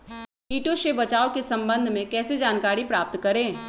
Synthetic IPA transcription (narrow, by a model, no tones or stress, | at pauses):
iːʈoʃebɐt͡ʃaːokesɐ̃mbə̃nd̪ʱmẽkɛːsed͡ʒaːnkaːɾipɾaːp̚t̪kɐɾẽː